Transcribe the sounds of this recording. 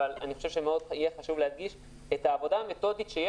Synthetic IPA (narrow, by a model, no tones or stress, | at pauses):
alaniχo̞ʃevʃemeo̞dijeχaʃuvlead̪ɡiʃ | ethaːvo̞daːme̞t̪o̞d̪it̪ʃeje